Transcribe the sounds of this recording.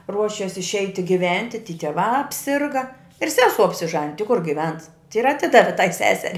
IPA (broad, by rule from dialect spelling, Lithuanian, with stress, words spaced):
ˈruɔʃʲɛs ɪʃʲˈɛɪtʲɪ ɡʲɪˈʋʲɛnʲtʲɪ tʲiː tʲiɛˈʋɑː ɐpʲˈsʲɪrɡɐ ɪr ˈsʲæːsuɔ ɐpʲsʲɪˈʒɑːnʲɪj tʲɪ kʊr ɡʲɪˈʋʲɛns ɪr ɐˈtʲɪdɐʋʲɪ tɐɪ ˈsʲæːsʲɛrʲɪ